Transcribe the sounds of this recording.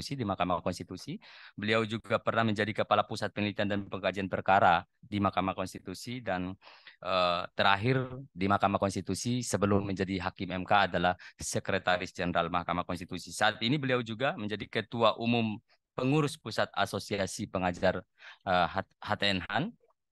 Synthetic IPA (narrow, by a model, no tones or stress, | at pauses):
sidimahkamakɔnst̪it̪usibəliawd͡ʒuɡapərnahməɲd͡ʒadikəpalapusat̪̚pəŋilit̪iandanpəŋkad͡ʒianpərkaɾa | dimahkamakɔnst̪it̪usidanʔət̪əɾaɦɪrdimahkamakɔnst̪it̪usisəbəlʊmːəɲd͡ʒadiɦakimɛmkaːdalahsəkɾet̪aɾɪsd͡ʒɛnəɾalmahkamakɔnst̪it̪usisaːt̪inibəliawd͡ʒuɡaməɲd͡ʒadikət̪uaʔumʊm | pəŋuɾʊspusat̪̚a̰sosiasipəŋad͡ʒar | əɦahat̪eɛnɦan